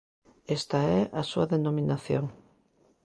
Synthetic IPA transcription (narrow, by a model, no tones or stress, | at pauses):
est̪aɛʔasuaðenomĩnaθjoŋ